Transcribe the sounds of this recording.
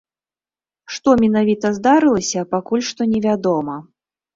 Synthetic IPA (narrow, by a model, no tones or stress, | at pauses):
ʂt̪ɔmʲɛnavʲit̪ɐzd̪aɾɨlˠɐsʲɐpakulʲʂt̪ɔnʲɛvʲad̪ɔmɐ